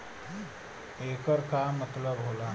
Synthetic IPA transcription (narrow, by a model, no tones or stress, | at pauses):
ekəɾkamət̪ləbɦola